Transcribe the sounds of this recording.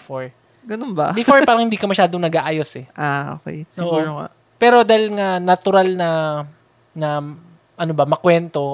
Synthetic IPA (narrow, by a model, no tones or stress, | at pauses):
foɹ | ɡɐnonbɐ̰bɪfoɹpaːɾɐŋhɪnd̪iːkɐmɐʃaːd̪oŋnɐɡaːʔaːjo̞sɛʔaʔo̰ːkɛ̰jsɪoːʔɡuoːɾoŋa̰ | pɛːɾo̞d̪aːlŋanɐt̪ʊɾalnɐ | nɐ | ʔɐnobɐmɐkwɛnt̪o̞